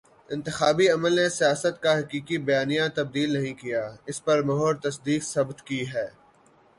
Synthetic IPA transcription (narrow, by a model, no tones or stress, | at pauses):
ɪ̃nt̪ɪxaːbiɐməlnesijaːsət̪kaɦɐkiːkibɐjaːnijãt̪ɐb̚d̪iːlnɐɦĩkijaːɪspɐɾmɐɦoːɾt̪ɐsd̪iːksɐbt̪kiɦɛː